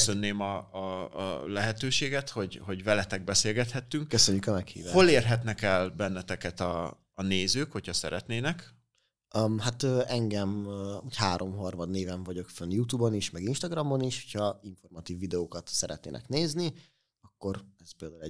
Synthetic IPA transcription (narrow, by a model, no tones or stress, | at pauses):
sø̞nːeːmɒ̰ː | lɛɦɛt̪øːʃeːɡɛt̪ho̞ɟho̞ɟvɛlɛt̪ɛɡ̚bɛseːlɡɛt̪hɛt̪ːyŋkkøsøɲːykɒmɛkhḭːvaːʃholeːrɦɛt̪nɛkɛlbɛnːɛt̪ɛkɛt̪ɒː | neːzøːkhochɒsɛ̰ɾɛt̪neːnɛkː | hat̪øːɛŋɡɛmuchaːɾo̞mɦɒrmɒd̪neːvɛɱvɒɟo̞kfønjut̪uːboniʃmɛɡinʃt̪ɒɡrɒmoniʃho̥cʰhɒiɱfo̞rmɒt̪iːvːid̪ɛoːkɒt̪sɛɾɛ̰t̪nḛːnɛ̰kneːzni | ɒkːo̞rɛzpeːld̪aːulɛ